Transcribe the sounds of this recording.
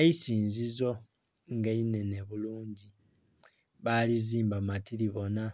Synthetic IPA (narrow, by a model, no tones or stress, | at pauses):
eisiːnzizo̞ | ŋɡaine̞ne̞βuluːɲɟi | βaliziːmbamatiliβo̞na